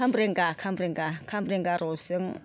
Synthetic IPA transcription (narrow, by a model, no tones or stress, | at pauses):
amɾeŋɡakʰambɾiŋɡakʰambɾiŋɡaɾɔsiŋ